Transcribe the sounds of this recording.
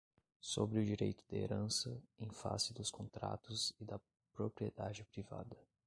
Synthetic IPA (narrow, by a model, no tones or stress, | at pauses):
sobɾɪʊd͡ʒiɾejt̪ʊd̪ɐḛɾɐ̃sɐẽj̃fa̰sɪd̪ʊskõnt̪ɾa̰t̪ʊzɪd̪ɐ | pɾopɾied̪ad͡ʒɪpɾiva̰d̪ɐ